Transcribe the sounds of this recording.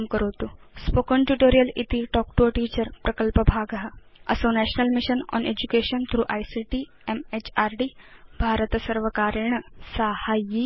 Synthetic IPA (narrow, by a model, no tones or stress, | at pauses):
mkəɾət̪ospokəɳʈuʈoɾijəlit̪iʈɔk̚ʈoʈiːt͡ɕəɾpɾəkəlpəbʱaɡaɦa | ə̰sõnæɕnəlmiɕənɔ̰nʔed͡ʑukeɕənt̪ʰɾuːʔajsiʈi | emet͡ɕaɾɖibʱaɾət̪səɾʋəkaɾɳ̃əsəhaji